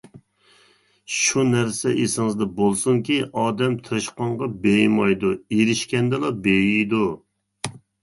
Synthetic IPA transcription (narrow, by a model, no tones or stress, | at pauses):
ʃunæɾsɛʔesɪŋɨzd̪ɛbolˠsuŋkʲiɑːd̪ɛmt̪ʰɨɾɨʃqɑɴʁɑbejmɑjd̪ueɾɪʃkʲɛnd̪ɛlˠɑbejijd̪u